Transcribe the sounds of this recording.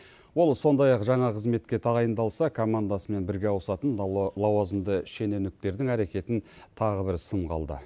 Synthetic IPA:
wo̞lˠso̞nd̪ɑjɑqʒɑɴɑqʰəzme̞t̪kʲe̞t̪ʰɑʁɑjənd̪ɑlˠsɑkʰomand̪asəme̞nbɪɾɡʲe̞ɑwəsɑt̪ənlˠɑwɑzənd̪əʃe̞ne̞nɪk̚t̪e̞ɾd̪ɪŋæɾekʲe̞t̪ɪnt̪ʰɑʁəbɪɾsəɴqɑ̰lˠd̪ə̰

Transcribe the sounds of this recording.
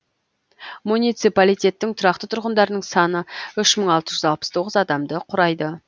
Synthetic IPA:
munijt̪sipalijt̪ʲe̞t̪ːɪŋt̪ʰʊɾɑq̚t̪ət̪ʰʊɾʁənd̪ɑɾənəɴsɑnəʏʃməɴɑlˠt̪əʒʏzɑlˠpəst̪ʰo̞ʁəzɑd̪ɑmd̪əqʰʊɾɑjd̪ə

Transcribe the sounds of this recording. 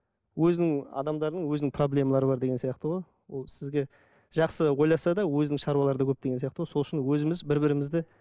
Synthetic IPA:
wɵzɪnɪŋɑ̰d̪ɑmd̪ɑɾənəɴwɵznɪŋpʰro̞blʲe̞mɑlˠɑɾəbɑɾd̪e̞ɡʲensijɑqt̪əʁoj | wolˠsɪzɡʲe̞ | ʒ̥ɑqsəwo̞jlˠɑsɑd̪ɑwɵzɪnɪŋʃɑɾwɑlˠɑɾəd̪ɑkʰɵp̚t̪eɡesijɑqt̪əʁoso̞lˠɪʃɪnwɵzɪmɪzbɪɾbɪɾɪmɪzd̪ɪ

